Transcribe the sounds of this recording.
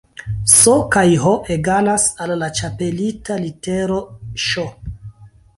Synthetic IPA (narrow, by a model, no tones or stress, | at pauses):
sokajɦoʔeɡanasalːat͡ʃape̞litaliteɾoʃo